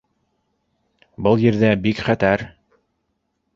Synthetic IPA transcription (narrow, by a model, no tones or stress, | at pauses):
bɤlˠjɘ̆ɾðæbikχæt̪æɾ